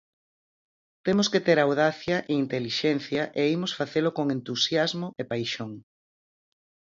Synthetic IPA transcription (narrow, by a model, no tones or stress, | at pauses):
t̪emosket̪eɾawðaθjɐʔeint̪eliʃen̟θjɐʔeimosfaθelokoŋent̪usjazmoʔepajʃoŋ